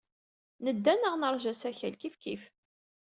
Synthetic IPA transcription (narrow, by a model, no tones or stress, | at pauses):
nəd̪ːænəʁnəɾˤʒæsæçælkifkḭf